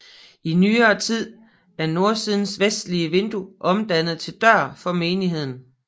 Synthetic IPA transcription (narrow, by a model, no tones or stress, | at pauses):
inyːɐːt͡sʰið̰ˠ | æɐno̝ɐsið̞ˠn̩sʋesd̥liəʋe̝nd̥uʔɒ̽md̥ænð̞̩ˠt͡sʰe̝ld̥ɶɐ̰fɒ̽me̝ːniɦe̝ð̞̰ˠn̩